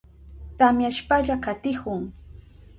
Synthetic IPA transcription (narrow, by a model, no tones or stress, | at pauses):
t̪amjaʃpaʎakat̪ɪhʊŋ